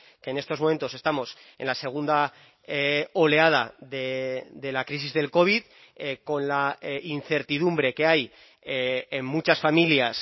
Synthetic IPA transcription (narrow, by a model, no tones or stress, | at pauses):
ke̞ːne̞st̪o̞zmo̞mẽ̞nt̪oe̞st̪amo̞se̞̰nlase̞ɣ̞und̪a | o̞le̞að̞aðed̪e̞lakɾis̬izðe̞lko̞β̞ið | ko̞nlain̟θe̞ɾt̪ið̞umbɾe̞ke̞aj | emmut͡ʃasfamiljas